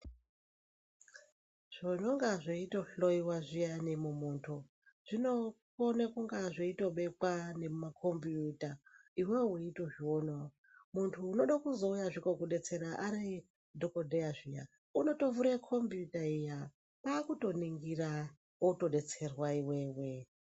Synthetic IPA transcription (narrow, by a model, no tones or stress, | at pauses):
ʐ̥onoŋɡaʐeitoɬoiwaʐijanemumuntʰo | ʐ̥ino̞konekuŋɡaʐeito̞ɓe̞kwane̞makʰo̞mbjutaiweuito̞ʐiwono | muntʰuːno̞ɗakuzo̞ujaʐikokuɗe̞t͡se̞ɾaʔaɾe | dʱokodʱejaʐija̰ | uno̞to̞vuɾekʰombijutaija | paːkuto̞niŋɡira | oto̞ɗe̞t͡se̞rwaiwewe